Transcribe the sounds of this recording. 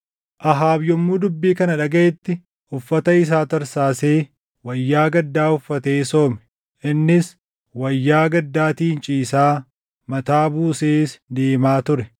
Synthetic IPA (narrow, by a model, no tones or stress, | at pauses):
ʔɐɦaːbjɔmːuːd̪ʊbːiːkɐnɐᶑɐɡɐʔɛt̪ːɪ | ʊfːɐt̪ɐɪs̬aːt̪ɐɾsaːse̞ː | wɐjːaːɡɐd̪ːaːʊfːɐt̪e̞ːso̞ːmɛ̥ | ʔɪnːɪs | wɐjːaːɡɐd̪ːaːt̪iːnt͡ʃʼiːsaː | mɐt̪aːbuːseːsd̪e̞ːmaːt̪ʊɾɛ